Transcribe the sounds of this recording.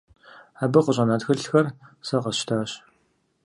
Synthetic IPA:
aːbɨqʷəɕʼɐnaːtxɨɬxɐrsɐqɐʃtʰaːɕ

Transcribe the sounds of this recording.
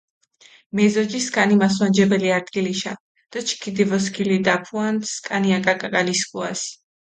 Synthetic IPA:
mɛzɔd͡ʒiskʼanimas̬wand͡ʒɛbɛliaɾd̪̚ɡiliʃa̰ | d̪̥at͡ʃʰkʰid̪ivɔs̬kʰilid̪apʰuanskʼaniakʼakʼakʼaliskʼuas

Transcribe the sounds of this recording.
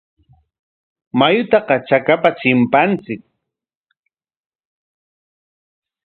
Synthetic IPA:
majʊt̪ɑqɑt͡ʃakapat͡ʃɪmpant͡sɪk̚

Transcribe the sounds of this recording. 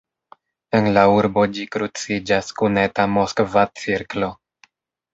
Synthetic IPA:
e̞nlauɾbo̞d͡ʒikɾut͡sid͡ʒaskune̞tamoskvat͡siɾklo̞

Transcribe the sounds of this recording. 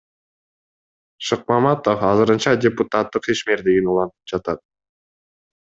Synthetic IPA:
ʃɨq̚mɑmɑt̪ofɑzɯɾɯnt͡ʃɑdʲeput̪at̪ːɯqiʃme̞ɾd̪iɡinulˠɑnt̪u̥p̚d͡ʒɑt̪ɑt̪̚

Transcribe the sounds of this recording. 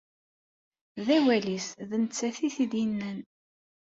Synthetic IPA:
ðæwælisðənət͡sːæθiθid̪jənːæn

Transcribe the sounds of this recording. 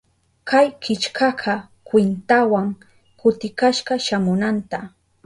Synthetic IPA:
kajkɪt͡ʃkʰɑɢʰɑ | kwɪnt̪awaŋ | kʊt̪ɪkaʃɢɑʃamʊnant̪a

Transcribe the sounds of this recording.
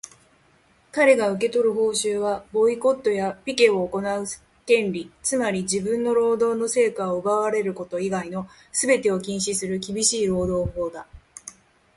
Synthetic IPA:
kaɾe̞ɡaɯ̟k̬e̞t̪o̞ɾɯ̟ho̞ːɕɨːβabo̞iko̞t̪ːo̞japʲike̞o̞ːko̞naɯ̟ | t̪ẽ̞nɾʲit͡sɨmaɾʲid͡ʑibɯ̟̃nːo̞ɾo̞ːd̪o̞ːno̞se̞ːkaoɯbaβaɾe̞ɾɯ̟ko̞t̪o̞iɡaino̞ | sɨbe̞t̪e̞o̞kʲĩɰ̃ɕisɨɾɯ̟k̬ʲibʲiɕiːɾo̞ːd̪o̞ːho̞ːd̪a

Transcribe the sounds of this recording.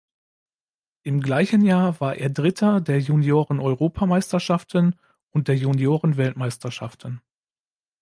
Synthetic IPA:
ʔɪmɡlaɪçənjaːɐvaːɐʔeːɐdʁɪtʰɐdeːɐjunjoːʁənɔʏʁoːpʰamaɪstɐʃaftən | ʔʊnt̚d̥eːɐjunjoːʁənvɛltmaɪstɐʃa̰ftən̩

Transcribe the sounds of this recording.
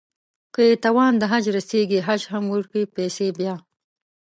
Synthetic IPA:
kəjet̪awɑːnd̪əɦad͡ʒɾaseɡiɦad͡ʒɦamwuɾkipesebjɑː

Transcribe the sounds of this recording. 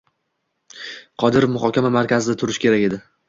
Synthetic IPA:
qʰɒd̪ɪɾofmʊχɒkʲamamaɾkʲazɪd̪at̪ʰʊɾɪʃkʲe̞ɾakʲe̞d̪ɪ

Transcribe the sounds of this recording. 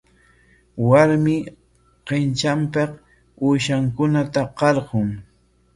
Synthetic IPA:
waɾmɪ | qent͡ʃampɑq | ʊʃaŋkʊnat̪aqɑɾɢʊŋ

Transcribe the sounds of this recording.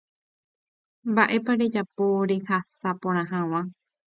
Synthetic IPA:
mbaʔe̞paɾe̞d͡ʒapoɾe̞hasapõɾ̃ãɦãw̃ã

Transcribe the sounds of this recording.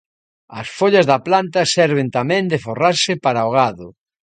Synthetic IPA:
ɐsfoʎazðɐplant̪ɐsɛɾβɪnt̪amɛ̃nd̪ɪforaɾsɪpaɾaoɣ̞aðʊ

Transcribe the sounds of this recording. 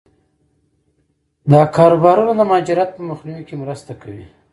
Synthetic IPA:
d̪ɑkɑːɾobɑɾunad̪əmɑːd͡ʒɪɾjat̪̚pəmaxniwikemɾəst̪akʰawi

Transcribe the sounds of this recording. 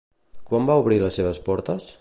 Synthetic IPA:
kwambauβ̞ɾiləsːeβ̞əspɔɾt̪əs

